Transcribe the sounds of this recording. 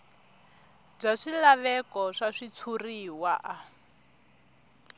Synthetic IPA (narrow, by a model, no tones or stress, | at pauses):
b͡ʐaʂilaβɛkɔʂaʂit͡sʰuriwaʔa